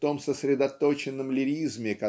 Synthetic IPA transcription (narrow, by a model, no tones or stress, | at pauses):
t̪o̞msəsɾʲɪd̪ɐt̪ot͡ɕɪnːəmlʲɪɾʲizmʲɪkɐ